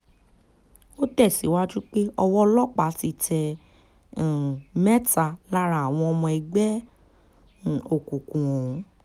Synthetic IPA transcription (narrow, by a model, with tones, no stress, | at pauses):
o˦tɛ˦˨si˨˦wa˦d͡ʒu˦k͡pe˦ɔ˧wɔ˦lɔ˦k͡pa˨˦ti˧˦tɛ̃˧˨ | mɛ˦ta˧la˦ɾa˨a˨w̃ɔ̃˧ɔ˧mɔ̃˧ɛ˧ɡ͡bɛ˦˨ | o˨kũ˨kũ˨ɔ̃˨ũ˨˦